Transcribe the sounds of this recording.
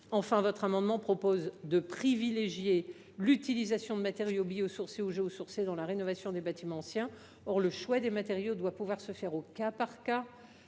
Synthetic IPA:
ɑ̃fɛ̃vɔt̪χamɑ̃d̪mɑ̃pχɔpozd̪əpχivileʒje | lyt̪ilizasjɔ̃d̪əmat̪eʁjobijosuʁseuʒeosuʁsed̪ɑ̃laʁenɔvasjɔ̃d̪ebat̪imɑ̃ɑ̃sjɛ̃ | ɔʁləʃwad̪emat̪eʁjod̪wapuvwaʁsəfɛʁokapaʁka

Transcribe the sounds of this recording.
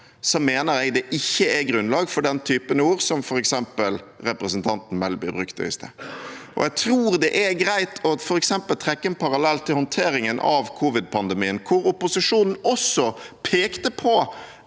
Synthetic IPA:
sɔmeːnəɾɛɡd̪ɛʔɪçːəɛɡɾʉnlɑːɡfɔɖɛnt̪ʰyːpənəuːɾsɔmfɔɾɛksɛmpəlɾɛpɾəsənt̪ʰɑnt̪n̩mɛlbɪbɾʉkt̪əɪ̰st̪əʔɔ̰ɛt̪ʰɾuːɾd̪ɛʔæɾɡɾæɪt̪ʰɔfɔɾɛksɛmpəlt̪ʰɾɛkːənpʰɑɾɑlɛlt̪ʰːɪlhɔnt̪ʰeːɾɪŋənʔɑ̰ʋkʰuːʋɪd̪̚pʰɑnd̪ɛmiːənkʰʊɾʊpʊsɪʂuːnn̩ɔsɔpʰeːkt̪əpʰɔ

